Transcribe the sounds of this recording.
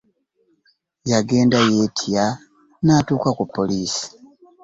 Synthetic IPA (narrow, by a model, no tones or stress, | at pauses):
jaɡe̞ːndajetʰia | naːtuːkakupoliːsi̥